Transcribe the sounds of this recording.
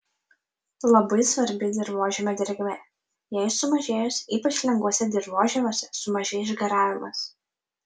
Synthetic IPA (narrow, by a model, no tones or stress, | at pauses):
lˠɐbɐɪsʋɐɾʲbʲɪd̪ʲɪɾʋoːʒʲɛmʲod̪ʲɪɾʲɡʲmʲe | jɛɪsʊmɐʒʲeːjʊsʲiːpɐt͡ʃʲlʲɛŋɡʋuɔsʲɛd̪ʲɪɾʋoːʒʲɛmʲoːsʲɛsʊmɐʒʲeːjʃɡɐɾɑːʋʲɪmɐs